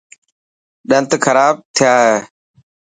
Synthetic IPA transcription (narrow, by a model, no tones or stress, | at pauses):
ɗə̃nt̪kʰəɾaːb̚t̪ʰɪjaːɦeː